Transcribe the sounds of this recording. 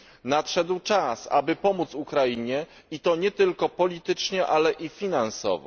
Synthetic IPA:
natʂɛd̪wt͡ʂasa̰bɘpɔmut̪sukɾaiɲɛ | it̪ɔɲɛt̪ɘlkɔpɔlʲit̪ɘt͡ʂɲɛʔalɛʔifʲinansɔ̰vɔ̰

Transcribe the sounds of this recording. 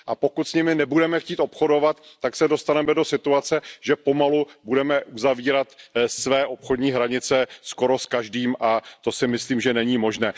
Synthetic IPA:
ʔapo̞kut̪sɲɪmɪnɛbudɛmɛxciːt̪o̞pxo̞do̞vat̪ːaksɛdo̞st̪anɛmɛdo̞sɪt̪uat͡sɛʒɛpo̞malubudɛmɛʔuzaviːɾat̪svɛːʔo̞pxodɲiːɦɾaɲɪt͡sɛsko̞ɾo̞skaʒdiːmʔat̪o̞sɪmɪsliːmʒɛnɛɲiːmo̞ʒnɛː

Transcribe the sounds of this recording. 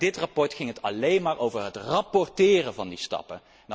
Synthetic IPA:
dɪtrɑpɔɹtχɪŋɦətʰɑlejnmaːɹʔowvəɹɦətrɑpɔɹtɪːrəvɑndistɑ̰pə

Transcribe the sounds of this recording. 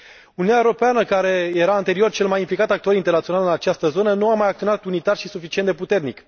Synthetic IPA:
unujaeoɾo̞peanəkaɾe̞je̞ɾaɨnt̪e̞ɾio̞rt͡ʃe̞lmajimplikat̪ak̚t̪ooɾint̪ernat̪sionalɨnat͡ʃast̪əzo̞nənuamajakt̪ionat̪unit̪arʃisufit͡ʃiend̪e̞put̪e̞rnik

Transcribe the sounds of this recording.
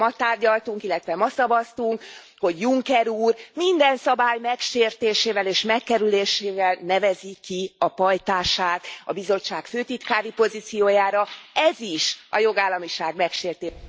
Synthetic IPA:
ɒt̪aːrɟɒlt̪uŋkilːɛt̪ʋɛmɒsɒbɒst̪uŋk | ho̞ɟjuŋkɛɾuːrmind̪ɛnsɒbaːjmɛkʃeːrt̪eːʃeːvɛleːʃmɛkːɛɾyleːʃeːvɛlnɛvɛzikiɒpɒjt̪aːʃaːt̪ɒbizo̞t͡ʃːaːkføːt̪it̪kaːɾipo̞zit̪sijoːjaːɾɒɛziʃɒ̰jo̞ɡaːlːɒmiʃaːɡmɛkʃeːrt̪eː

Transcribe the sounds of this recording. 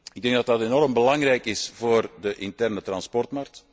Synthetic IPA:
ɪɡ̚dɛŋɡ̚dɑtɑtenɔɾəmbəlɑŋrɛjkɪsv̥oːrdəʔɪntɛrnətrɑnspɔrtmark̚t

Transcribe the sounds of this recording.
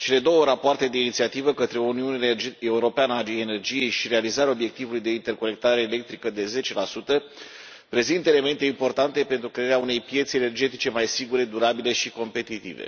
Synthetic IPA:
t͡ʃe̞le̞d̪o̞wəɾapoart̪e̞d̪einit̪siat̪ivəkət̪ɾeuniuneeuɾo̞peanəaiene̞rd͡ʒije̞jʃiɾe̞alizaɾʲao̞bje̞k̚t̪ivulujd̪e̞int̪e̞rko̞ne̞k̚t̪aɾe̞ːlek̚t̪ɾikəd̪e̞ze̞t͡ʃe̞lasut̪ə | pɾe̞zint̪əe̞le̞me̞nt̪e̞impo̞rt̪ant̪e̞pent̪ɾukɾe̞aɾeaune̞jpje̞t̪sene̞rd͡ʒe̞t̪it͡ʃe̞majsiɡuɾe̞d̪uɾabile̞ʃiko̞mpe̞t̪it̪ḭvḛ

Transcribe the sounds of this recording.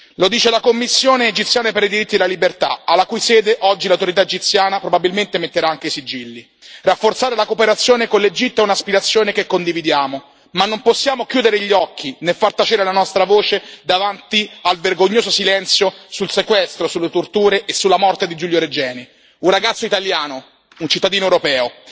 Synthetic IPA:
lod̪iːt͡ʃelakomːisːjoːneːd͡ʒit̪sːjaːnapeɾid̪iɾit̪ːid̪elalibert̪a̰alːakujsɛːd̪eʔɔd͡ʒːilawt̪oɾit̪aed͡ʒit̪sːjaːnapɾobabilment̪emet̪ːeɾaaŋk̟eisid͡ʒilːi | rafːort̪saːɾelakopeɾat̪sːjoːnekonled͡ʒit̪ːoɛunaspiɾat̪sːjoːnekekːond̪ivid̪jaːmo | manːomposːjaːmokjuːd̪eɾeʎːɔkʰːinefːart̪at͡ʃeːɾelanɔst̪ɾavoːt͡ʃed̪avant̪ialverɡoɲːoːzosilɛnt̪sjosulsekwɛst̪ɾosulːet̪ort̪uːɾeʔːsːulːamɔrt̪ed̪id͡ʒuljoɾed͡ʒɛːni | unraɡat̪sːoit̪aljaːno | unt͡ʃit̪ːad̪iːnoewɾopɛːo

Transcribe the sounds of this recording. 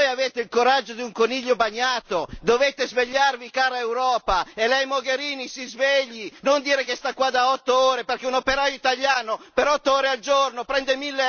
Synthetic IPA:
ojaveːt̪eilkoɾad͡ʒːod̪iuŋkoniʎːobaɲːaːt̪od̪oveːt̪ezveʎːarvikaːɾaewɾɔːpaelɛjmoɡeɾiːnisizveʎːinond̪iːɾekest̪akːwad̪aɔt̪ːooːɾeperkɛunopeɾajoit̪aʎːaːnopeɾɔt̪ːooːɾeald͡ʒornopɾɛnd̪emilːe

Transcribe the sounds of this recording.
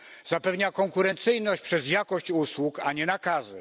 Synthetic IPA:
zapɛvɲakɔŋkuɾɛnt̪sɘjnɔɕt͡ɕpʂɛzjakɔɕt͡ɕuswukaɲɛnakazɘ̰

